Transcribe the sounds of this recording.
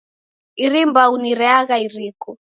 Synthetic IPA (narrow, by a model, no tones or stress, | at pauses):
iɾimbauniɾɛaɣaiɾiːkɔ